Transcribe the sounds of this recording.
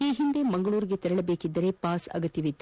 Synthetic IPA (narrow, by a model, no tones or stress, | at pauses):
iːɦind̪e̞mɐŋɡɐɭuːɾiɡe̞t̪ɛɾɐɭɐbe̞ːkid̪ːɐɾe̞paːsɐ̰ɡɐt̪ːjɐʋit̪ː